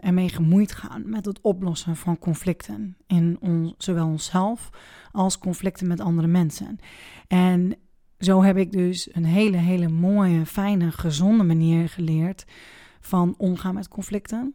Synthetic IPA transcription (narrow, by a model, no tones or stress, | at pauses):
ɛɹmejχəmujtχa̰ːnmɛtətɔplɔsənvɑnkɔnflɪktʰənɪnɔnzowʋɛlˠɔnsɛlˠfʔɑlˠskɔnflɪk̚tənmɛtɑndəɾəmɛnsə̰nɛn | zowɦɛpɪɡ̚døsənɦeːləɦeːləmoːjəfɛjnəχəzɔndəmaniːərχəlɪːɹt | fɔnɔmχaːnmɛtkʰɔnflɪktən